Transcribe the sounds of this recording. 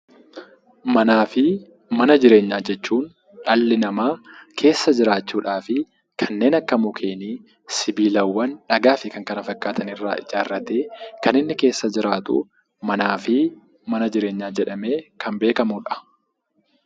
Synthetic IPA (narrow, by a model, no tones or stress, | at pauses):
mɐnaːfɪ | mɐnɐd͡ʒɪɾe̞ːɲːaːd͡ʒɛt͡ʃːuːn | ᶑɐlːɪnɐmaːkʰe̞ːsːɐd͡ʒɪɾaːt͡ʃːuːᶑaːfɪ | kʰɐnːe̞ːnɐkːɐmʊkʰe̞ːniː | sɪbiːlɐwːɐnᶑɐɡaːfɪkɐŋkɐnɐfɐkʼːaːt̪ʰɐnɪrːa̰ːʔɪ̰d͡ʒaːrːɐt̪e̞ːkɐnɪnːɪke̞ːsːɐd͡ʒɪɾaːt̪ʊ̰ | mɐnaːfɪ | mɐnɐd͡ʒɪɾe̞ːɲːaːd͡ʒɛᶑɐme̞ːkʰɐmbe̞ːkɐmʊᶑɐ̥